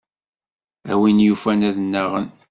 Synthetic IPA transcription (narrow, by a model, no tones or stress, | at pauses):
æwinjufænæðnːaʁən